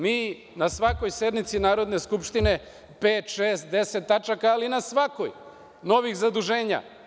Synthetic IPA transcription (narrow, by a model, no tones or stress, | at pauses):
miː | nasʋako̞jse̞d̪mit̪sinaːɾo̞d̪ne̞skupʃt̪ine̞ | peːt̪ʃeːst̪̚d̪e̞set̪ːat͡ʃakaːlinasʋako̞j | no̞ʋixzad̪uʒe̞ːɲa̰